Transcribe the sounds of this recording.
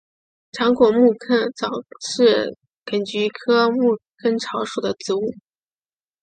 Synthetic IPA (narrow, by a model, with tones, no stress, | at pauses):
ʈ͡ʂʰɑ˧˥ŋkwɔ˨˩mu˥˩kʰə˥ŋt͡sɑ˨˩ʊʂɻ̩˥˩ | kə˨˩nt͡ɕy˧˥kʰɤ˥mu˥˩kʰə˥nʈ͡ʂʰɑ˧˥ʊʂu˨˩d̪ə˦t͡sɹ̩˧˥u˥˩